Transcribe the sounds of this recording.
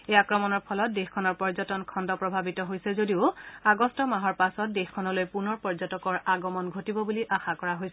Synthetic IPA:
ejakɹɔmɔnɔɹpʰɔlɔt̚dexkʰɔnɔɹpɔɹzɔtɔnkʰɔndɔpɹɔbʱabitɔɦojsɛzodiʊaɡɔstɔmaɦɔɹpasɔt̚dexkʰɔnɔlojpunɔɹpɔɹzɔtɔkɔɹaɡɔmɔnɡʱotibɔbuliʔaxakɔɹaɦojs

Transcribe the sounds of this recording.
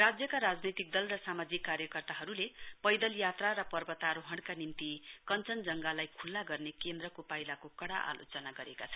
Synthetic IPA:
rad͡zjʌkaɾad͡znet̪ik̚d̪ʌlrʌsamad͡zikːaɾjʌkʌrt̪aɦʌɾulepʌjd̪ʌljat̪raɾʌpʌrbʌt̪aɾoɦʌɽkanimt̪ikʌnt͡sʌnd͡zʌŋɡalajkʰulːaɡʌrnekend̪rʌkopajlakokʌɽa̰ʔa̰lo̰t͡sʌnaɡʌɾekat͡sʰʌ

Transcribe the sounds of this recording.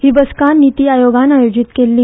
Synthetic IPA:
ɦibəskanːit̪iajoɡanajod͡ʑit̪kelːiː

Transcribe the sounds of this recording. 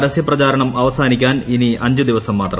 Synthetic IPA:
ɾɐsjɐprɐt͡ɕaːɾɐɳɐmɐʋɐsaːnikʲːaːniniɐɲd͡ʑud̪iʋɐsɐmːaːt̪rɐ

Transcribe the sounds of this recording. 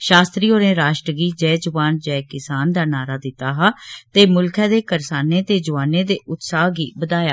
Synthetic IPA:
ʃaːst̪ɾiːoːɾẽːɾaːʃʈɾəɡiːd͡ʒɛːd͡ʒʊʋaːnd͡ʒɛːkɪsaːnd̪aːnaːɾaːd̪ɪt̪ːaːɦat̪eːmʊlkʰɛ̃ːd̪eːkəɾsaːneːt̪eːd͡ʒʊʋaːneːd̪eːʔʊt̪saːɡiːbəd̪aːjaː

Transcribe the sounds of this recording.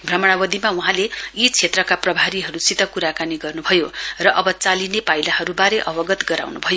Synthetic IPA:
bʱrʌmʌɽ̃awʌd̪ʱimauɦãleit͡sʰet̪rʌkaprʌbʱaɾiɦʌɾut͡sit̪ʌkuɾakaniɡʌrnubʱʌjorʌʔʌbʌt͡salinepajlaɦʌɾubaɾeʔʌbʌɡʌt̪ɡʌɾa̰wnubʱʌjo

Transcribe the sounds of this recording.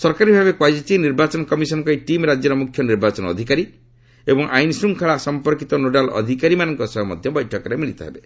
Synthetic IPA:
sɔɾkaɾibʱabekwad͡ʒit͡ʃiniɾbat͡ʃɔnɔkɔmisɔnkɔiʈimɾad͡ʒjɔɾɔmukʰjɔniɾbat͡ʃɔnɔ̰d̪ʱikaɾi | ebɔŋʔajnsɾuŋkʰaɭasɔmpɔɾkit̪ɔnoɖalɔ̰d̪ʱikaɾimanɔŋkɔsɔɦɔmɔ̰d̪ʱjɔbɔjʈʰɔkɔɾemiɭit̪ɔɦebe

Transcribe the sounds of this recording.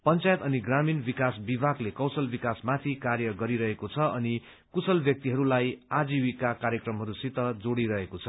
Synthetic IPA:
pʌnt͡sajet̪ʌniɡraminbikasbibʱaɡlekʌwsʌlbikasmat̪ʰikaɾjʌɡʌɾiɾʌɦekot͡sʰʌʔʌni | kusʌlbjʌk̚t̪iɦʌɾulajad͡ziwikakaɾjʌkrʌmɦʌɾusit̪ʌd͡zoɽiɾʌɦekot͡sʰʌ̥

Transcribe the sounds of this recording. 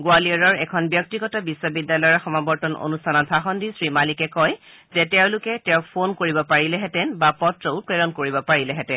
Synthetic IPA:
ɡwaliɔɹɔɹɛkʰɔnbjɔk̚tiɡɔtabiswɔbidːalɔjɔɹxɔmabɔɹtɔno̰nustʰanɔtbʰʱaxɔndisɹimalikɛkɔj | zɛtɛʊ̃lʊkɛtɛʊpʰonkoɹibɔpaɹilɛɦɛtɛnbapɔtɹoʊpɹɛɹɔnkoɹibɔpaɹilɛɦɛtɛn

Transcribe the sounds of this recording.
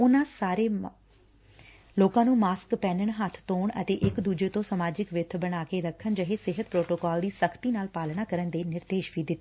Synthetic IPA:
ʊnãːsaːɾeː | loːkãːnũːmaːskpɛ̃ːnəɳɦət̪ʰt̪oːɳə̰t̪eːʔɪkd̪uːd͡ʒeːt̪õːsəmaːd͡ʒɪkʋɪt̪ʰːbəɽ̃aːkeːɾəkʰːənd͡ʒəɦeːsɪɦət̪pɾoːʈoːkaːld̪iːsəkʰt̪iːnaːlpaːlɽaːkəɾənd̪eːnɪɾd̪eːʃbiːd̪ɪt̪ːe

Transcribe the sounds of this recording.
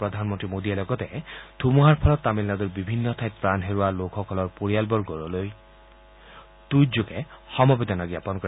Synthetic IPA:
pɹɔd̪ʱanmɔnt̪ɹimod̪iɛlɔɡɔt̪ɛd̪̥ʰʱumuɦaɹpʰɔlɔt̪ːamilnad̪uɹbibʱinːɔt̪ʰajt̪̚pɹanɦeɹualokʰɔkʰɔlɔɹpoɹijalbɔɹɡɔɹɔloj | t̪ujd͡ʒokɛxɔmɔbed̪ɔnaɡjapɔnkɔɹ

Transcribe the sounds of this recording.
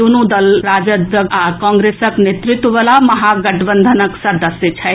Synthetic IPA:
unũd̪ɐlɾaːd͡ʒəd̪akɔ̃ːŋɡɾeːsəknet̪ɾut̪ʋʋɐlamɐɦaɡɐʈbənd̪ʱənəksɐd̪ɐsjət͡ʃʰɐ

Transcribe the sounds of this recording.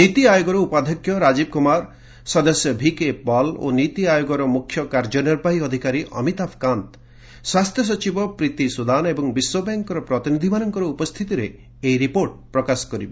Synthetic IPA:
nit̪iajoɡɔɾɔupad̪ʱɔkʰːjɔɾad͡ʒib̚kumaɾ | sɔd̪ɔsjɔbʱikebɔlo̰nit̪iajoɡɔɾɔmukʰjɔkaɾd͡ʒɔnɔɾpaɦiɔd̪ʱikaɾiʔɔ̰mit̪apʰkant̪ | swast̪ʰjɔs̬ɔt͡ʃibɔpɾit̪isud̪anebɔŋbiswɔbaŋkɔɾɔpɾɔt̪inid̪ʱimanɔŋkɔɾɔupɔst̪ʰit̪iɾe | ejɾipoɾʈ̚pɾɔkasɔ̥kɔɾibɔ

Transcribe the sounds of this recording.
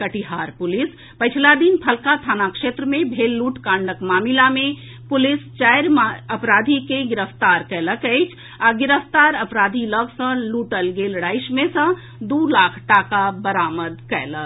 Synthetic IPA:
kəʈiɦaːɾpʊlɪs | pət͡ʃʰlad̪inpʰɐlkat̪ʰaːnakʃeːt̪ɾəmẽbʱeːlːuːʈkãːɳɖəkmaːmilamẽ | pʊlɪst͡ʃaːjɾməpɾaːd̪ʱikeɡɪɾəft̪aːɾkɛːləkəɪt͡ʃʰ | aɡɪɾəfʰt̪aːɾəpɾaːd̪ʱiləbsə̃luːʈəlɡeːlɽaːɪʃmẽsə̃ | d̪uːlaːkʰʈaːkabəɾaːməd̪kɛ̰ːlək

